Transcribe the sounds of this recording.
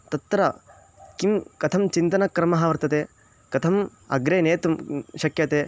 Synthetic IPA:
t̪ɐt̪ːɾɐ | kimkɐt̪ʰɐmt͡ʃint̪ɐnɐkɾɐmɐɦɐʋɐɾt̪ɐt̪eː | kɐt̪ʰɐm | ɐ̰ɡɾeːneːt̪umʃɐkjɐt̪eː

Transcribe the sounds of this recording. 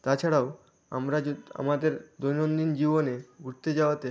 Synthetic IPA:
t̪at͡ɕʰaɽao | a̰mɾaa̰mad̪eɾd̪ojnond̪ind͡ʑiboneɡʱuɾt̪ed͡ʑaoat̪e

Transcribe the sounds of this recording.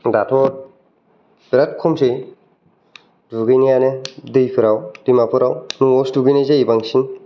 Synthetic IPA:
datʰɔt̚ | b̥ɾat̚kʰɔmsej | duɡɯjnijanedɯjpʰɯɾawdimapʰɯɾawnuɔstuɡɯjnazeibaŋsin

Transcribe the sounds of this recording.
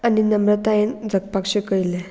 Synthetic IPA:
aninəmɾət̪aend͡zʱək̚pakʂekəjle

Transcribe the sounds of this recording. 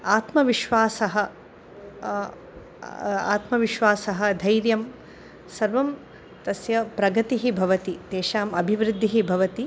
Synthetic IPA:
aːt̪mɐʋiʃʋaːsɐɦɐ | a̰ːt̪mɐʋiʃʋaːsɐɦɐd̪ʱɐjɾjɐm | sɐɾʋɐm | t̪ɐsjɐpɾɐɡɐt̪iɦibʱɐʋɐt̪it̪eːʃaːmɐbʱiʋɾɪd̪ʱːiɦibʱɐʋɐt̪i

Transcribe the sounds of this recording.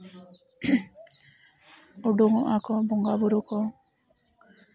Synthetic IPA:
ɔɖɔŋɔʔakɔbɔŋɡabuɾukɔ

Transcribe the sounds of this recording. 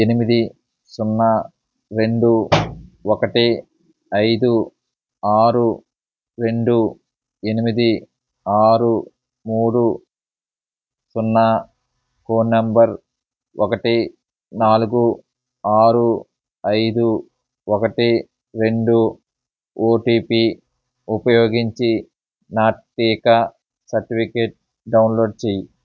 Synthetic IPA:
enimid̪i | sunːɐ | ɾe̞ɳɖu | ɔkɐʈi | ɐjd̪u | aːɾu | ɾe̞ɳɖu | e̞nimid̪i | aːɾu | muːɽu | sunːɐ | koːnɐmbɐɾ | ʔɔkɐʈi | naːluɡu | aːɾu | ɐjd̪u | ɔkɐʈi | ɾe̞ɳɖu | oːʈiːpi | upɐjoːɡiɲt͡ʃi | naːʈːiːkɐ | sɐɾʈipʰikeːʈ̚ | ɖɐwnloːɖ̚t͡ʃeːji

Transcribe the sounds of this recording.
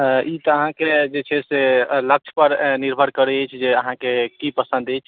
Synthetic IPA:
it̪ɔəɦãked͡ʒet͡ʃʰeselək̚t͡ʃʰpəɾniɾbʱəɾkəɾɛt͡ʃʰd͡ʒeəɦãkekipəsə̃nd̪əjt͡ʃʰ

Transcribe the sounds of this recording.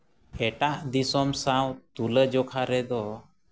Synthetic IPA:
ɛʈaʔd̪isɔmsawt̪uləd͡ʒɔkʰaɾɛd̪ɔ

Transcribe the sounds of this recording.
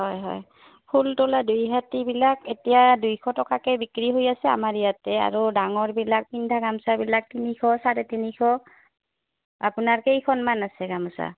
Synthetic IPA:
ɦɔjɦɔ̰j | pʰultoladujɦatibilaketijadujkʰɔtɔkakɛbikɹiɦojasɛa̰maɹijatɛa̰ɹudaŋɔɹbilak̚pindʱaɡamsabilak̚tinikʰɔsaɹɛtinikʰɔ | apunaɹkejkʰɔnmanasɛɡamsa̰

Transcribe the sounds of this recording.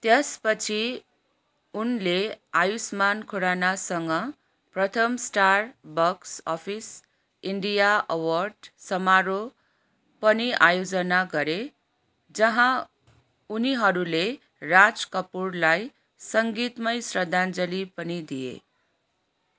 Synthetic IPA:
t̪jespʌt͡sʰi | unleajusmankʰoɾanasʌŋɡʌ | prʌt̪ʰʌmsʈarbʌksʌpʰis | iɳɖijaʔʌwʌrɖsʌmaɾo | pʌniʔajod͡zʌnaɡʌɾe | d͡zʌɦã | uniɦʌɾule | rad͡zkʌpurlaj | sʌŋɡit̪mʌjsrʌd̪ʱand͡zʌlipʌnid̪ijḛ

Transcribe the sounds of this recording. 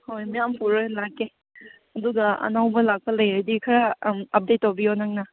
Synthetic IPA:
hojmijampuɾɯlaɡe | ɐduɡɐɐ̰nawbɐlak̚pɐlɐjɾedikʰɐɾamɐp̚detːobijonaŋna

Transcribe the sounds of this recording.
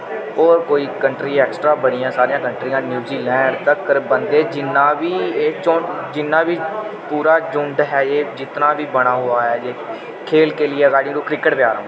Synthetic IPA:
oːɾkoːiːkəɳʈɾiːɛːksʈɾaːbəɽɪiːãːsaːɾijãːkəɳʈɾiːãːnjuːziːlɛ̃ːɳɖt̪əkəɾbənd̪eːd͡ʒɪnːãːʋiːeːt͡ʃoːd͡ʒɪnːãːʋiːpuːɾaːd͡ʒʊ̃ɳɖɦɛːeːd͡ʒɪt̪nãːʋiːbəɽ̃aːɦoːaːɦɛːd͡ʒeː | kʰeːlkeːlɪeːɡaːɪɖɪ̃ŋɾoːkɾɪkəʈpjaːɾãː

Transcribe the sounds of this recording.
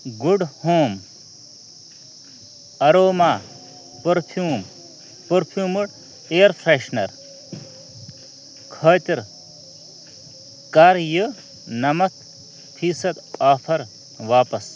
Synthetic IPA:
ɡuɖhoːm | ɐɾoːmaː | pɐɾpʰjuːm | pɐɾpʰjuːmuɽ | eːɾpʰɾeʃnɐɾ | kʰɐːt̪iɾ | kaɾjɨ | nɐmɐt̪ | pʰiːsɐd̪aːpʰɐɾ | ʋaːpɐs

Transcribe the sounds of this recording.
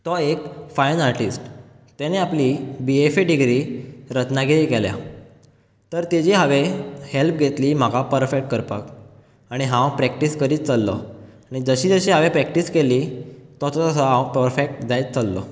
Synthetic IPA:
t̪ɔekfajnaɾʈisʈ | t̪aneaplibiefeɖiɡɾiɾət̪naɡiɾekelja̰ | t̪əɾt̪ed͡ʑiːɦaʋehelp̚ɡʱet̪liːm̤akapəɾfekʈ̚kəɾpak | aɽ̃iɦãwpɾɛk̚ʈiskəɾiːt̪̚t͡səlːɔ | aɽ̃id͡zəɕiːd͡zəɕiːɦaʋepɾɛk̚ʈiskeliːt̪ɔt̪ɔt̪əsəɦãwpəɾfek̚ʈd͡zajt̪̚t͡səlːɔ̰

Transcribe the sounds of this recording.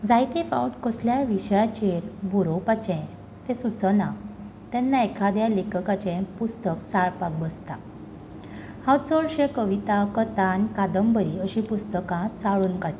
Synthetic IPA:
d͡zajt̪ifa̰wʈkəsljaʋiɕjat͡ɕeɾbʱuɾopat͡ɕɛ̃ | t̪ẽsut͡sənã | t̪ɛnːaekʰad̪jalekəkat͡ɕɛ̃pust̪əkt͡saɭpak̚bəst̪a | hawt͡sɔɭɕẽkəʋit̪akət̪ãnkad̪əmbəɾiəɕĩpust̪əkãt͡saɭuːnkaʈi

